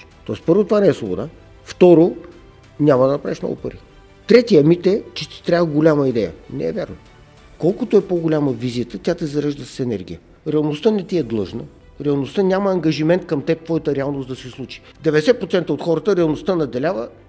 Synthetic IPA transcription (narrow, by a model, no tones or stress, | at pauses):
t̪ɔɛspɤɾvot̪ovanɛːslˠobo̰d̪a | ft̪ɔɾo | nʲaməd̪ɐnɐpɾa̰ɛʃmnɔ̰ɡʊ̰pəɾvi | t̪ɾɛt̪iəmit̪ɛt͡ʃɛt̪i̥t̪ɾʲavəɡolʲaməid̪ɛjə̰nɛ̰ːvʲja̰ɾno | kɔlˠkʊt̪oɛpoɡolʲaməvizijət̪ət̪ʲat̪ɛzɐɾɛʒd̪əssɛnɛɾɡʲijə | ɾɛɐlˠnost̪ənɛt̪iɛd̪lˠɤʒnə | ɾɛɐlˠnost̪ənʲaməːŋɡɐʒimɛnt̪̚kɐmt̪ɛpt̪vɔjət̪əɾɛalˠnosd̪ɐsislˠut͡ʃi̥ | d̪ɛvɛd̪ɛsɛt̪̚pɾot̪sɛnt̪əot̪xɔɾət̪əɾɛɐlˠnoʊst̪ənɐd̪ɛlʲavə